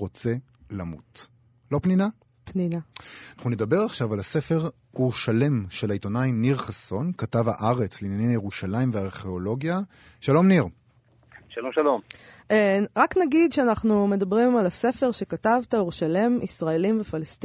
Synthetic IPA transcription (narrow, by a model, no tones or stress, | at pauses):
ʁo̞t͡se̞ | lamut | lo̞pnina | pninaanaχnune̞d̪abe̞ʁaχʃavalase̞fe̞ʁ | uʁʃale̞mʃelaito̞najniʁχaso̞nkatavha̰ʔaʁe̞t͡slinjaninajeʁuʃalaimveaʁχe̞olo̞ɡja | ʃalo̞mniʁ | ʃalomʃalom | ʁaknaɡid̪ʃeanaχnume̞dabʁimalase̞fe̞ʁʃe̞katavt̪auʁʃale̞misʁaelimvefalest̪